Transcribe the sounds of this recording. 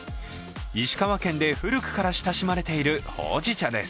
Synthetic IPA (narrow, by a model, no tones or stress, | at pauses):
iɕi̥kaβakẽ̞nd̪e̞ɸɯ̟ɾɯ̟kɯ̟̥kaɾaɕi̥t̪aɕimaɾe̞t̪e̞iɾɯ̟ho̞̰ːʑit͡ɕad̪e̞̰sɨ̥